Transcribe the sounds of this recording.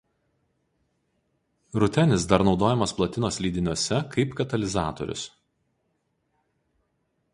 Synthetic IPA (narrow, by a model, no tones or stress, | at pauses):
ɾʊt̪ʲɛnʲɪsd̪ɐɾnɒʊd̪oːjɛmɐsplˠɐt̪ʲɪnoːsʲlʲiːd̪ʲɪnʲuɔsʲɛkʰɐɪpkɐt̪ɐlʲɪzɑːt̪o̰ɾʲʊ̰s